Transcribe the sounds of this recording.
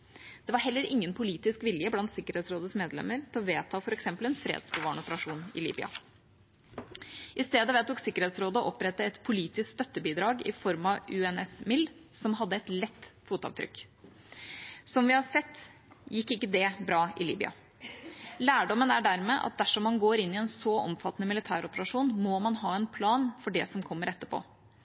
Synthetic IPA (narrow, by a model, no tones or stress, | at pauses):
d̪̥ɛʋɑɾɦɛlːəɾɪŋːənpʰʊliːt̪ɪskʋɪljəblɑnt̪sɪkəɾheːt̪sɾoːd̪əsmeːd̪lɛ̰mːəɾt̪ʰɪlɔʋeːt̪ʰɑːfɔɾɛksɛmpəlɛnfɾḛːd̪sbɔʋɑːɳɔpəɾɑʂuːnɪ̰lḭːbʏ̰ɑ̰ | ʔɪst̪eːd̪əʋɛːt̪uːksɪkːəɾeːt̪sɾoːd̪əɔʔɔpɾɛt̪ːəɛt̪pʰʊliːt̪ɪskst̪œt̪ːəbiːd̪ɾɑːɡɪ̰fɔɾmɑʉɛnɛsmɪlːsɔmɦɑd̪ːəɛt̪lɛt̪ːfuːt̪ɑ̰ʋt̪ʰɾʏ̰kː | sɔmʋɪhɑsɛt̪ː | jɪkːɪkːəd̪ɛbɾɑːɪlḭːbʏ̰ɑ̰ | læːɖɔmənæɖæɾmeːʔɑ̰t̪̚d̪æʂɔmːɑnɡoːɾɪnːɪɛnsɔʔɔ̰mfɑt̪ːənəmɪlɪt̪ʰæːɾɔpəɾɑʂuːnmɔmɑnɦɑːɛnpʰlɑːnfɔɖɛsɔmkʰɔmːəɾɛt̪ːəpʰo̰ː